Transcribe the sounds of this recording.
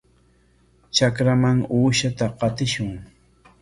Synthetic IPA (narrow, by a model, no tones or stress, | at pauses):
t͡ʃakɾamaŋuːʃat̪aqɑt̪ɪʃʊŋ